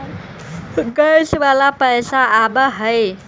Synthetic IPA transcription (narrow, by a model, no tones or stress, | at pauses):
ɡəjsʋalapəjsaːbəɦəj